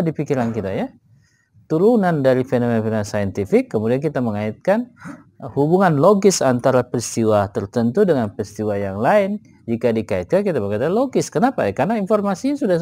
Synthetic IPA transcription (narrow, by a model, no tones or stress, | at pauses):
dipikiɾankit̪aja | t̪uɾunandaɾifenomenpenansajənt̪ifɪkːəmudiankit̪aməŋaɪt̪̚kan | hubuŋanloɡɪsant̪aɾapəɾist̪iwat̪ərt̪ənt̪udəŋanpɾist̪iwajaŋlaɪn | d͡ʒikadikaɪt̪̚kankit̪abəkat̪aloɡɪskənapa̰jakarnainformasiɲasuda